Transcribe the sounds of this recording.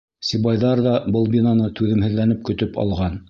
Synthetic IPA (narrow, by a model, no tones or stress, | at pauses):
sʲibɑjðɑɾðɑbɤlˠbʲinanɤt̪ʉðɘ̆mhɘ̆ðlːænɘp̚kɵ̆t̪ɵpʰɑ̰lˠʁɑn